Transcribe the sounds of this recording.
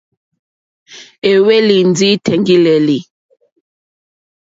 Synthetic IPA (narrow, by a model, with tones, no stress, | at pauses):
e˨we˦li˨nd͡zi˦tʰɛ˨ŋɡi˦le˨li˨